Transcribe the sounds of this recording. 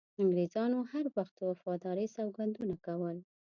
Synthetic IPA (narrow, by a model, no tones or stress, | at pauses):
aŋɡɾezɑnohaɾwaxt̪wafɑd̪ɑɾesɑwɡand̪unakawəl